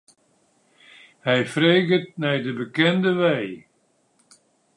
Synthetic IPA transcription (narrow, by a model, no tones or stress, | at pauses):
hɛjfreːɡət̚nɛjdəbəkɛndəʋɛj